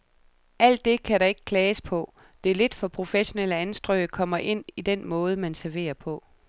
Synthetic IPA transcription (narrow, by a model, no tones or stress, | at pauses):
ʔæl̰d̥ːe̝kʰæɾɑ̈e̝ɡ̥ə̥kʰlɛːspʰɒ̽ | d̥e̝ɐle̝d̥fɒ̽pʰʁo̝feɕo̝neləænsd̥ʁœɪkʰɒ̽m̰ɐʔe̝n̰id̥enmɔ̽ːð̞ˠəmænsæɐʋe̝̰ːɐpʰɒ̽